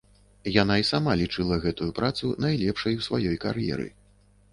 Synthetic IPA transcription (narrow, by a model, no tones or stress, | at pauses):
jan̪aisamalʲit͡ʂɨlˠɐɣɛt̪ujupɾat̪sunajlʲɛpʂɐjwsvajɔjkarjɛ̰ɾɨ̰